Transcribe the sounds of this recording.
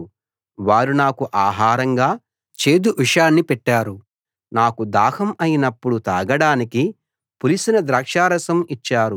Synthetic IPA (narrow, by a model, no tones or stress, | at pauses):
ʋaːɾunaːkuʔaːɦaːɾɐŋɡaː | t͡ʃe̞ːd̪uʔiʂaːnːipɛʈːaːɾu | naːkud̪aːhɐmɐjinɐpːuɽut̪aːɡɐɽaːniki | pulisinɐd̪ɾaːkʂaːɾɐsɐmit͡ʃːaːɾu